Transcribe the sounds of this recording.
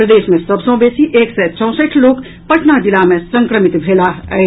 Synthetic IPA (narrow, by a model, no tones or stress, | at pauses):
pɾəd̪eːsmẽsəbsə̃besiʔeːksɛt͡ʃə̃ʊ̃səʈʰloːk | pəʈʰnad͡ʒilamesəŋkɾəmit̪bʱelaəe